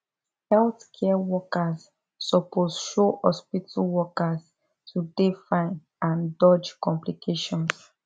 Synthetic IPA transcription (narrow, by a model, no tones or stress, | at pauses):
hɛlθkʰɛawɔkasː | ɔpozʃohɔspitʰawɔkaz | tʰudefãɪn | ãndɔd͡ʒkɔ̃mplikʰeʃɔ̃ns